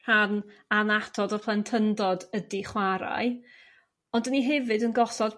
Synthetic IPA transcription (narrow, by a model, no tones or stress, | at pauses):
ananatʰɔdəpʰlˠɛntʰəndɔdədiχwaɾa̰ɨ | ɔndəniɦɛvɨdənɡɔsɔd